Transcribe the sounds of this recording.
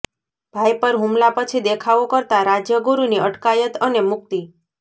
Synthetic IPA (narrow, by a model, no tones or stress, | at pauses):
b̥ʱajpəɾɦumlapət͡ʃʰid̪ekʰaʋokəɾt̪aɾad͡ʒjəɡuɾuniəʈkajət̪ənemʊk̚t̪i